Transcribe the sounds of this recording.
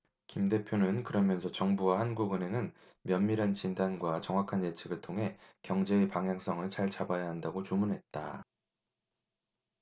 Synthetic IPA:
kimde̞pʰjonɯnkɯɾʌmjʌnsʰʌt͡ɕʌŋbuwahanɡuɡɯne̞nɯn | mjʌnmiɾɦant͡ɕindanɡwat͡ɕʌŋwakʰanːe̞t͡ɕʰeɡɯɭtʰoŋɦe̞kjʌŋd͡ʑe̞ːpaŋɦjaŋs͈ʌŋɯɭt͡ɕaɭt͡ɕabajaɦandaɡot͡ɕumunɦe̞t̚t͈a

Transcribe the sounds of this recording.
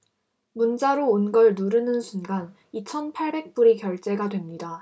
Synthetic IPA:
munt͡ɕ͈aɾoːnɡʌɭnuɾɯnɯnsʰunɡan | it͡ɕʰʌnpʰaɭbe̞k̚p͈uɾikjʌɭt͡ɕ͈e̞ɡadwe̞mɲida

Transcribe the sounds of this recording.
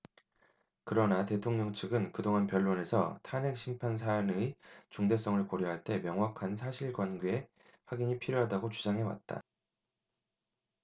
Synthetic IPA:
kɯɾʌnate̞tʰoŋɲʌŋt͡ɕʰɯɡɯnkɯdoŋɦanpjʌɭːone̞sʰʌ̰tʰane̞k̚ɕ͈ʰimpʰans̬ʰanɯit͡ɕuŋde̞s̬͈ʌŋɯɭkoɾjʌɦaɭt͈e̞mjʌŋɦwakʰansʰaɕʰiɭɡwanɡee | ɸwaɡiɲipʰiɾjoɦadaɡot͡ɕud͡ʑaŋɦe̞wa̰t̚t͈a̰

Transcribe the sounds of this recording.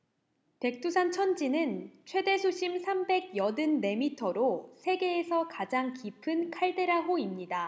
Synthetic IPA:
te̞k̚t͈usʰant͡ɕʰʌnd͡ʑinɯnt͡ɕʰwe̞de̞sʰoɕʰimsʰambe̞ɡ̚jʌdɯnːe̞mitʰʌɾosʰe̞ɡe̞ːsʰʌkad͡ʑaŋkipʰɯnkʰaɭde̞ɾaɦoimɲida

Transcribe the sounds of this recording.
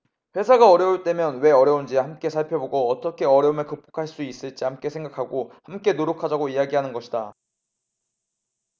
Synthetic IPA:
ɸwe̞sʰaɡaʌɾjʌuɭt͈e̞mjʌnwe̞ʌɾjʌund͡ʑihamk͈e̞sʰaɭpʰjʌboɡoːt͈ʌkʰe̞ʌɾjʌumɯɭkɯp͈o̥kʰaɭs͈uis͈ɯɭt͡ɕ͈iɦamk͈e̞sʰe̞ŋɡakʰaɡohamk͈e̞noɾjokʰad͡ʑaɡoijaɡiɦanɯnɡʌɕʰida

